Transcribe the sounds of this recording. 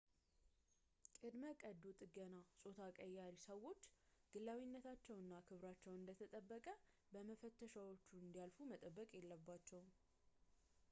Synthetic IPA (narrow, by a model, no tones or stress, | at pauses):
kʼɨd̪məkʼəd̪ot̪ʼɨɡənasʼo̞t̪ʰakʼəjːaɾisəwːo̞t͡ʃːɡ̥ɨlːawinːət̪ʰat͡ʃːɛwɨnːakʰɨβɾat͡ʃːɛwɨnd̪ət̪ʰət̪ʼəbːəkʼə | bəməfət̪ʰːəʃawo̞t͡ʃːuɨnd̪ijalfumət̪ʼəbːəkʼjɛlːəbːat͡ʃːɛw